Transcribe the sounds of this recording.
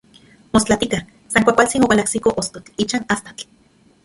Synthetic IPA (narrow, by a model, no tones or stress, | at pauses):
most͡ɬat̪ika | saŋkʷakʷalt͡sinowalaksikoʔost̪ot͡ɬit͡ʃanast̪ḁt͡ɬ